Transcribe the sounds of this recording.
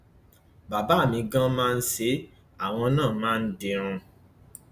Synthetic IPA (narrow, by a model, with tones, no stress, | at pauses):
ba˨ba˨˦˨mĩ˧ɡã˦mãː˦˧n̩˦se˨˦ | a˦˨w̃ɔ̃˧nãː˦˨mãː˦n̩˦de˧ɾ̃ũ˧